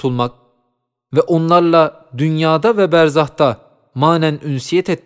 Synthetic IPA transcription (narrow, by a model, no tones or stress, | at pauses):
t̪ʰulˠmɑk̚ | vɛʔonlˠɑɾlˠɑ | d̪ynjɑːd̪avɛbæɾzɑht̪ɑ | maːnænynsijɛt̪ʰet̪̚